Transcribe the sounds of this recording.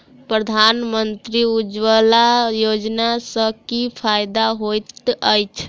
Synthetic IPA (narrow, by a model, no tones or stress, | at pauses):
pɾəd̪ʱanmənt̪ɾiud͡ʒwəlajod͡ʒnasəkipʰajd̪aɦojt̪əjt͡ʃʰ